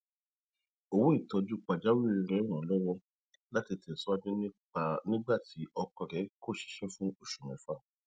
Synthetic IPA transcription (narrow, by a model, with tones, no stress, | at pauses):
o˧wo˦i˦˨tɔ˧d͡ʒu˦k͡pa˨d͡ʒa˦wi˦i˧ɾɛ˨˦ɾ̃ã˨˦lɔ˦wɔ˦ | la˦ti˨˧te˨sɔ˦a˦d͡ʒu˦nĩ˦k͡pa˧nĩ˦ɡ͡ba˦˨tʰi˨˦ɔ˧kɔ˧ɾɛ˨˦ko˦˨ʃi̥˨˦ʃɛ˦fũ˦o˦˨ʃu˨m̃ɛ̃˨˦fa˦˨